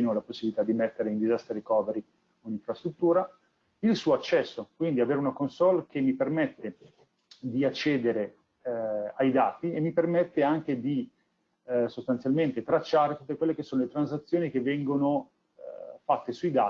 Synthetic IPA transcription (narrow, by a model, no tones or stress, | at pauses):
nolaposːibilit̪ad̪imet̪ːeɾeind̪izast̪ɾeɾekɔːveɾi | oiniɱfɾast̪ɾut̪ːuːɾa | ilsuːoat͡ʃːɛsːokwind̪iaveːɾeunakonsɔlkʰemːipermɛt̪ːe | d̪iat͡ʃːɛːd̪eɾe | ajd̪aːt̪iemːipermɛt̪ːeaŋk̟ed̪i | sost̪ant̪sjalment̪et̪ɾat͡ʃːaːɾet̪ut̪ːekwelːekesːoːnolet̪ɾanzat̪sːjoːnik̟evːɛŋɡono̰ | fat̪ːesujd̪aː